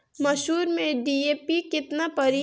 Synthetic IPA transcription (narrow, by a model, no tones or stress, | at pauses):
mɐʃuːɾmẽɖiːeːpikɪt̪napɐɾi